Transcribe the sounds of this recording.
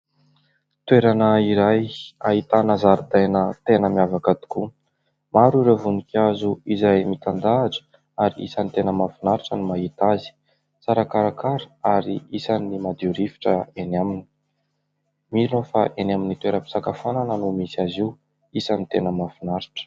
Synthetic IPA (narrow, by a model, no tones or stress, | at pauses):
t̪weɾanəiɾajait̪anəzaɾud̪ajnət̪enəmiavakad̪i̥ku | maɾiɾevunikazuizajmit̪and̪aːʈ͡ʂə̥ | aɾiḭsant̪enəmafinaɾiʈ͡ʂənimaɦit̪azi̥ | t͡saɾakaɾakaɾə̥aɾiisanimad̪iuɾifi̥ʈ͡ʂəenamini̥ | miɾinofa̰ʔenaminit̪weɾəpi̥sakafananənumisiaziw | isanit̪enəmafinaɾi̥ʈ͡ʂə̥